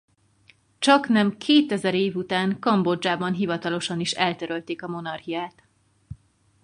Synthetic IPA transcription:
t͡ʃɒknɛmkʰeːt̪ɛzɛɾeːvut̪aːŋkɒmbo̞d͡ʒaːbɒnɦivɒt̪ɒlo̞ʃɒniʃɛlt̪øɾølt̪eːkɒmo̞nɒrhijaːt̪

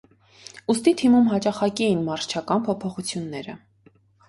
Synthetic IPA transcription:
ust̪it̪ʰimumɦɑt͡ʃɑχɑkiinmɑɾst͡ʃʰɑkɑnpʰɔpʰɔχut͡sʰjunːɛɾə

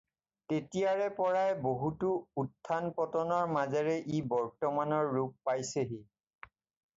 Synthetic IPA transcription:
tetijaɹɛpɔɹajboɦutuːtʰːanpɔtɔnɔɹmazɛɹɛʔibɔɹtɔmanɔɹːuk̚pajseɦi

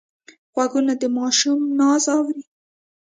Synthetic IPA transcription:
ɣwaɡunad̪əmɑʃumnɑzɑwɾi

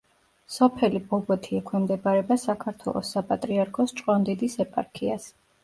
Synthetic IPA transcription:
sɔpʰɛlibɔbɔt̪ʰiɛkʰwɛmd̪ɛbaɾɛbasakʰaɾt̪ʰwɛ̰lˠɔ̰sapʼat̪ʼɾiaɾkʰɔst͡ʃʼqʼɔnd̪ɛd̪isɛpʼa̰ɾkʰias

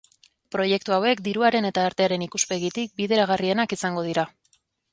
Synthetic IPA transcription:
pɾo̞je̞k̚t̪uawe̞kd̪iɾuaɾe̞ne̞t̪aːɾt̪e̞aɾe̞nikuspe̞ɣit̪ik̚biðe̞ɾaɣ̞arie̞nakisaŋɡo̞ð̞iɾa

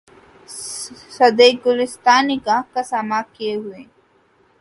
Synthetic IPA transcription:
sɐd̪eɡʊlɪst̪aːniɡakasamakijeɦue

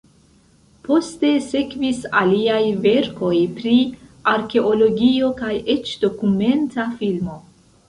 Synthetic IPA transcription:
po̞ste̞se̞kvisaliajve̞ɾko̞jpɾiaɾke̞olo̞ɡio̞kaje̞t͡ʃd̥o̞kume̞ntafilmo̞

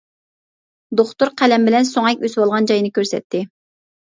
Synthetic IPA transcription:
d̪oχt̪uɾqʰælɛmbɪlɛnsoŋɛkʲøswɑlˠʁɑnd͡ʒɑjnɨkʲøɾsɛ̰t̪ʰːɪ

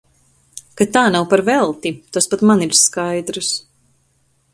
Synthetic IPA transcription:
kat̪aːnawpaɾvɛlˠt̪it̪aspat̪maniɾskajd̪ɾɨs

